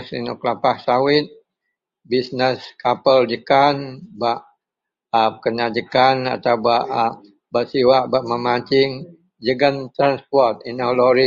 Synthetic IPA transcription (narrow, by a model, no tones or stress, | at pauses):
sḭnukəlapahsawɪt̪̚ | bisnəskapəld͡ʒəkanbaʔ | əkənad͡ʒəkana̰t̪awbaʔ | baʔsiwaʔbaʔməmat͡ʃɪŋ | d͡ʒəɡənt̪ɾanspɔrt̪̚inalɔɾi